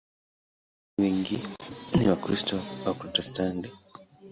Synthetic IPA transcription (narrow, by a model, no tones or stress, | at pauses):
wiŋɡiniwakɾistɔapɾɔtɛstantɛ